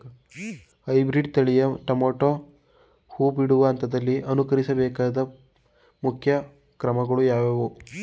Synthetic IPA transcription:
hɐjbɾiɖt̪ɐɭijɐʈɐmoːʈoː | huːbiɽuʋɐːnt̪ɐd̪ɐlːiʔɐnukɐɾisɐbɛːkaːd̪ɐ | mukʰjɐ | kɾɐmɐɡɐɭujaːʋeʋu

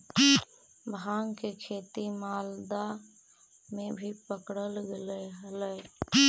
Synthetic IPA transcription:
bʱaːŋkekʰeːt̪imaːld̪a | mẽbʱipəkɽəlɡlɦlə

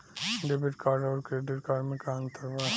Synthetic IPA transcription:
ɖebɪʈkaːɾɖɔːɾkɾeːɖɪʈkaːɾɖmẽkaːnt̪ʰəɾba

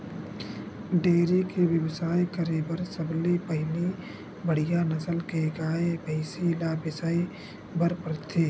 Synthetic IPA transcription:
ɖeːɾikewəwsaːjkəɾebəɾsəblepəɦɪli | bəɽ̤ijanəsəlkeɡaːebʱəɪsilabɪsai | bəɾpəɾt̪ʰeː

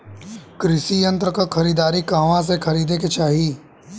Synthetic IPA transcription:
kɾɪsijə̃nt̪ɾəkakʰɐɾiːd̪aːɾikãːʋãs̬ekʰɐɾiːd̪eket͡ʃaːɦiː

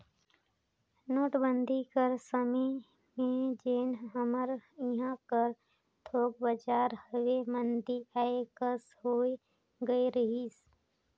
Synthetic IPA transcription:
noːʈbənd̪ʱikəɾsəmi | mẽd͡ʒeːnɦəməɾɪɦãkəɾ | t̪ʰoːk̚bəd͡ʒaːɾhəʋemənd̪ʱiaːekəsɦoːi | ɡəeɾəɦiːs

